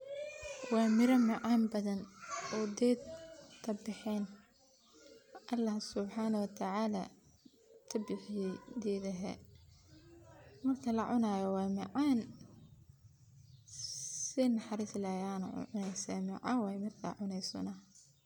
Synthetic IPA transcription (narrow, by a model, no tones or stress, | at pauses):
wɑːmɪɾɐmɑʕaːnbɐðɐnʔɔːd̪ɛːd̪t̪ʰɐbɪħɛːn | ʔɐlːɐhsʊbħaːnɐwɐt̪ʰɐʕaːla̰ː | k̪ʰɐbɪħɪjɛjd̪ɛːd̪ɐɦɛ̰ | mɐrkʰɐlɐʕʊnaːjɔwɑːmɑʕaːn | sɪnɐħɑɾiːslɛjaːnɐʕʊ̰ʕʊnɛjsɛmɑʕɑ̰ːwɑjmɪrkʰɐ̰ʕʊnɛjsɔ̰nɐ